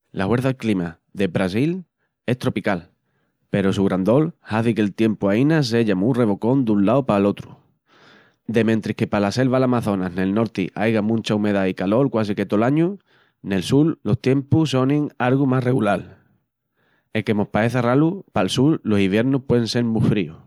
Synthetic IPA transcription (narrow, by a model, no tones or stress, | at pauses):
lahwe̞ɾθaklima | d̪e̞bɾasil | e̞st̪ɾo̞pikal | pe̞ɾosuɣɾand̪o̞lhaθike̞lt̪je̞mpuainas̬e̞ʎamure̞βo̞ko̞nd̪unlawpalo̞t̪ɾu | d̪e̞mẽnt̪ɾihkepalase̞lβalamaθo̞nane̞lno̞ɾt̪ḭʔajɣamũnt͡ʃaume̞ðaikalo̞ɾkwasike̞t̪olaɲu | ne̞lsulːo̞ht̪je̞mpuso̞niŋaɾɣumare̞ɣulal | eke̞mo̞hpae̞θaralupalsullo̞siβje̞ɾnuhpwe̞ðeŋse̞ɾmufɾiu